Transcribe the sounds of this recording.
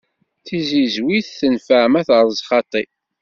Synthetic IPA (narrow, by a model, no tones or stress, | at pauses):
θizizwiθθənfəʕmæθəɾˤzˤχɑt̪ˤi